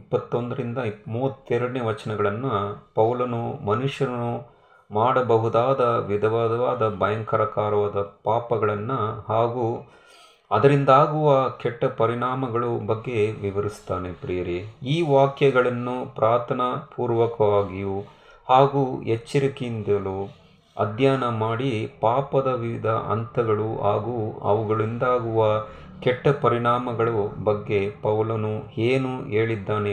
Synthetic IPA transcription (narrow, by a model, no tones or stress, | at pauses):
ipːɐt̪ːond̪ɐɾind̪ɐmuːʋɐt̪ːɛɾɐɽɐneːʋɐt͡ʃɐnɐɡɐɭɐnːɐpɐwlɐnumɐnuʂjɐɾɐnu | maːɽɐbɐɦud̪aːd̪ɐʋid̪ɐʋaːd̪ɐʋaːd̪ɐbɐjɐŋkɐɾɐkaːɾɐʋaːd̪ɐpaːpɐɡɐɭɐnːɐhaːɡu | ɐd̪ɐɾind̪aːɡuʋɐkɛʈːɐpɐɾiɳaːmɐɡɐɭubɐɡːe̞ʋiʋɐɾist̪aːnepɾijɐɾeiːʋaːkjɐɡɐɭɐnːupɾʔaːt̪ʰɐnɐpuːɾʋɐkɐʋaːɡiju | haːɡuet͡ʃːiɾɐkind̪ɐlu | ɐ̰d̪ʱjaːnɐmaːɽipaːpɐd̪ɐʋiʋid̪ʱɐ̰ʔɐ̰nt̪ʰɐɡɐɭuaːɡuːɐ̰ʋuɡɐɭind̪aːɡuʋɐ | kɛʈːɐpɐɾiɳaːmɐɡɐɭubɐɡːe̞pɐʋlɐnueːnue̞ːɭid̪ːaːne